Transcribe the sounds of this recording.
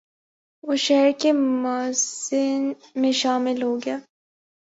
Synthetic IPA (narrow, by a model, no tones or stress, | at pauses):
oʃɛɾkemaːsɪn | mẽʃaːmɪlɦoːɡɪjaː